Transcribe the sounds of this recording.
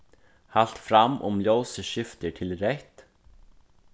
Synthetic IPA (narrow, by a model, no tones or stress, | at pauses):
hal̥t̪fɾamːʔʊ̰mljowsəʃʏft̪ɪʈʰɪlɾɛht̪